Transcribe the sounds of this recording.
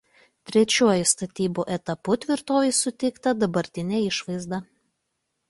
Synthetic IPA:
t̪ʲɾʲɛt͡ʃʲuɔjʊst̪ɐt̪ʲiːbuʔɛt̪ɐpʊt̪ʲʋʲɪɾt̪oːʋʲɛɪsʊt̪ʲɛɪkt̪ɐd̪ɐbɐɾʲt̪ʲɪnʲeːɪʃʋɐɪzd̪ɐ

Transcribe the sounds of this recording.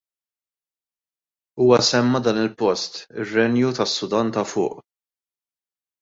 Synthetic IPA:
uːwɐsɛmːɐd̪ɐːnɪlpɔst̪ɪrːɛnjut̪ɐsːʊd̪ɐnt̪ɐfʊ̰ːʔ

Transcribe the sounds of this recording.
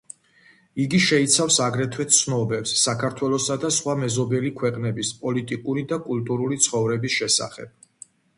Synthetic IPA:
iɡiʃɛit̪sʰafsaɡɾɛt̪ʰwɛt̪sʰnɔbɛpsːakʰaɾt̪ʰwɛlˠɔsad̪asχwamɛzɔbɛlikʰwɛqʼnɛbispʼɔlit̪ʼikʼuɾid̪akʼulˠt̪ʼuɾulit̪sʰχɔvɾɛbisʃɛsa̰χɛ̰b̥̚

